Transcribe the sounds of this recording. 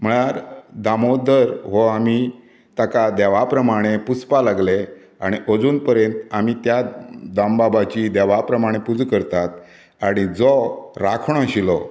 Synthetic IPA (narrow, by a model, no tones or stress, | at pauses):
m̤əɭ̃aɾd̪amod̪əɾɦɔami | t̪akad̪ɛʋapɾəmaɽ̃eput͡spalaɡle | aɽ̃iʔəd͡zuːnpəɾjẽnt̪amit̪jad̪ambabat͡ɕid̪ɛʋapɾəmaɽ̃epud͡zkəɾt̪at̪̚ | aɽ̃id͡zɔɾakʰɳ̃ɔ̃ɕilɔ